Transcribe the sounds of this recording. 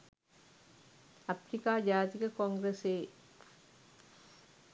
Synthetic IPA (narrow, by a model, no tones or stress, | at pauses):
ɐpɾɪkaːd͡ʒaːt̪ɪɣɐkoːŋɡɾeseː